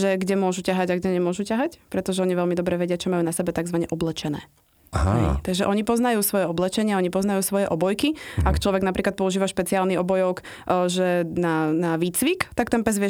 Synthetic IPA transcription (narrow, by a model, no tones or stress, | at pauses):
ʒɛɡɟɛmʊɔʒucaɦaɟaɡɟɛɲɛmʊɔʒucaɦacpɾɛt̪ɔʒɛɔɲiʋɛʎmid̪ɔbɾɛʋɛɟɪat͡ʃɔmajuːnasɛbɛt̪aɡzʋaɲɛʔɔblɛt͡ʃɛnɛ̰ː | ɦɦɛ̰t̪aɡʒɛʔɔɲipɔznajuːsʋɔjɛɔblɛt͡ʃɛɲɪaɔɲipɔznajuːsʋɔjɛʔɔbɔjkiakt͡ʃlɔʋɛɡnapɾʔiːklat̪̚pɔuʒiːʋaʃpɛt͡siaːlniɔbɔjɔk | ʒɛnanaʋiːt͡sʋikt̪akt̪ɛnpɛzʋɪɛ